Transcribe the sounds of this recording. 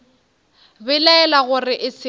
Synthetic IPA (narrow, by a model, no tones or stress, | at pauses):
bɪlɛɛlaɣʊrɪʔɪsɪ